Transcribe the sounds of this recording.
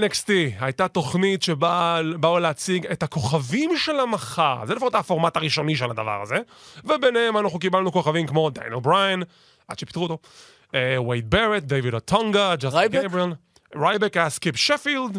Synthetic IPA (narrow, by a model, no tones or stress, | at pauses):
nekstiajtat̪o̞χnitʃebabauleat͡siɡethako̞χavimʃelamaχaʁzelefaʁot̪afoʁmataʁiʃo̞niʃelad̪a̰va̰ʁa̰ze | vebenehemanaχnuk̬ibalnuko̞χavimkmo̞d̪a̰njelbʁajan | ʔa̰d̥̪ʃepi̥t̪ʁuot̪o | ewejt̪̚beʁet̪̚d̪ejvidatʰaŋɡad͡ʒasɡbial | ʁajbekaskipʃefild